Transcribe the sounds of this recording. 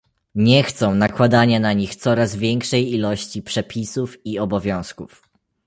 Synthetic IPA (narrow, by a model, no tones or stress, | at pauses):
ɲɛxt̪sɔ̃w̃nakwad̪aɲanaɲixt̪sɔɾazvʲjɛŋkʂɛjilɔɕt͡ɕipʂɛpʲisufiɔbɔvʲjɔ̃w̃skuf